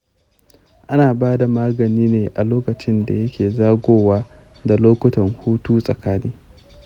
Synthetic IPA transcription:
ʔa˦naː˨baː˦da˨maː˦ɡɐ˨niː˦neː˨ʔa˨loː˦kɐ˨t͡ʃɪ˦nda̰˨jɐ˦kʲeː˨zaː˦ɡʷoː˦waː˦ | da˨loː˦kʷʊ˦tɐ˨ŋhuː˦tuː˦sʼɐ˨kaː˦niː˦

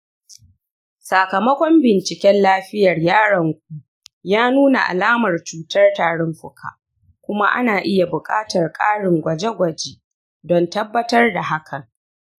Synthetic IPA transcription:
sa˨kɐ˨mɐ˦kʷɔ˦mbɪ˨nt͡ʃɪ˨kʲɛ˦nlaː˦ɸɪ˦jɐ˨rjaː˦ɽɐ˨ŋkʷu˨ | jaː˦nuː˦na̰˨ʔa̰˨laː˦mɐ˨rt͡ʃuː˨tɐ˦rtaː˨ɽɪ˦mɸʊ˦kʰa̰ː˨ | kʷʊ˦ma̰˦ʔa̰˦naː˨ʔɪ˦ja˨bʊ˨kʼa̰ː˦tɐ˨rkʼaː˦ɽɪ˨ŋɡʷɐ˨d͡ʒe˦ɡʷɐ˨d͡ʒe˦ | dɔ˨ntɐ˦bːɐ˦tɐ˦rda˨ɦa˦kʰɐ˨ŋ

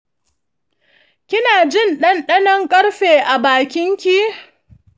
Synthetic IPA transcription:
kʲɪ˦naː˨d͡ʒɪ˦˨nɗɐ˦nɗɐ˦nɐ˦ŋkʼɐ˦ɽɸeː˨ʔa˨baː˨kʲɪ˦ŋkʲi˦

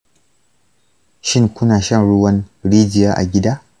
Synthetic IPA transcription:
ʃɪ˦ŋkʷʊ˦naː˨ʃɐ˦˨nɽʊ˦wɐ˦nɽiː˦d͡ʒɪ˨jaː˦ʔa̰˨ɡʲɪ˦daː˦

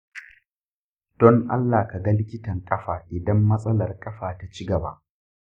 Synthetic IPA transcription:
d̥ɔ˦ŋʔa̰˦lːaː˨ka˨ɡɐ˦lɪ˦kʲɪ˦tɐ˨ŋkʼɐ˦ɸaː˨ʔɪ˨dɐ˦mːɐ˦sʼɐ˦lɐ˨rkʼɐ˦ɸaː˨ta˦t͡ʃi˦ɡɐ˨ba̰˦ʔ

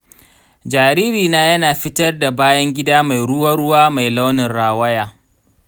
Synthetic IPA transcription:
d͡ʒaː˨ɾiː˦ɾiː˨naː˦jɐ˦naː˨ɸɪ˦tɐ˦rda˨baː˦jɐ˦ŋɡʲɪ˦daː˦ma˨jɽʊ˦wɐ˦ɽʊ˦waː˦ma˨jla˦wnɪ˨nɽaː˨wɐ˦jaː˦˨

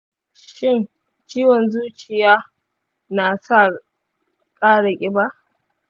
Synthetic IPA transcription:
ʃɪ˦n | t͡ʃiː˦wɔ˨nzuː˦t͡ʃɪ˨jaː˦ | naː˨sa˦˨ | kʼaː˦ɽa˨kʲʼɪ˦ba˦ʔ

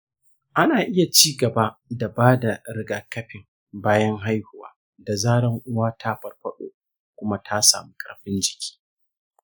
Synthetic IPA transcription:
ʔa˦naː˨ʔɪ˦ja˨t͡ʃiː˦ɡɐ˨ba˦da˨baː˦da˨ɾɪ˦ɡaː˨kɐ˦ɸɪ˨m | baː˦jɐ˦ŋɦa˦jhʊ˨wa̰ː˨˦ | da˨zaː˦ɽɐ˦ŋʔʊ˦waː˦tʰa˦ɸɐ˨˦rɸɐ˦ɗo̰ː˦˨ | kʷʊ˦ma˦tʰa˦sa̰ː˨mu˦kʼɐ̰˨rɸɪ˦nd͡ʒɪ̥˨kʲʰi̥ː˦

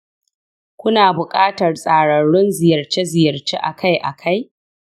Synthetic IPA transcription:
kʷʊ˦naː˨bʊ˨kʼaː˦tɐ˨rsʼaː˨ɽɐ˨ɽʊ˦nzɪ˨jɐ˨rt͡ʃe˦zɪ˨jɐ˨rt͡ʃeː˦ʔa̰˨kʰa˦jʔa˨kʰa˦j

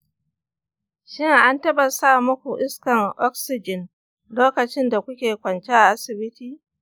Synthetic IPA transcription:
ʃɪ˦ŋʔa˦ntɐ˦bɐ˨saː˦˨mʊ˦kʷu˨ʔɪ˦skɐ˨ŋʔɔ˦ksɪ˨d͡ʒɪ˨n | loː˦kɐ˨t͡ʃɪ˦nda˨kʷʊ˦kʲeː˨kʷɐ˨nt͡ʃe˦ʔa˨ʔa˦sɪ˨bɪ˦tiː˨

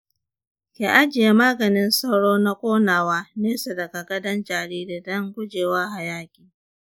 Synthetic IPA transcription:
kʲe˨ʔa˦d͡ʒɪ˨je˦maː˦ɡɐ˨nɪ˦nsa˦wɽoː˦na˦kʷʼoː˦naː˨waː˦neː˦sa˨dɐ˨ɡa˨ɡɐ˦dɐ˦nd͡ʒaː˨ɽiː˦de˨dɐ˦ŋɡʷʊ˦d͡ʒeː˨waː˦ha˨jaː˦kʲʼiː˨

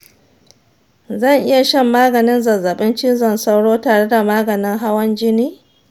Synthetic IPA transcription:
zɐ˦˨ŋʔɪ˦ja˨ʃɛ˦˨mːaː˦ɡɐ˨nɪ˦nzɐ˨zːɐ˨ɓɪ˦nt͡ʃɪ˦nzɐ˨nsa˦wɽoː˦taː˨ɽe˦da˨maː˦ɡɐ˨nɪ˦ŋɦa˦wɐ˦nd͡ʒɪ˦niː˦

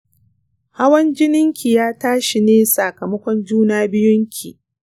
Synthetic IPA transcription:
ha˦wɐ˦nd͡ʒɪ˦nɪ˦ŋkʲʰi˨jaː˦taː˦ʃi˨neː˦sa˨kɐ˨mɐ˦kʷɔ˦nd͡ʒuː˦naː˦bɪ˦jʊ˦ŋkʲʰi˨

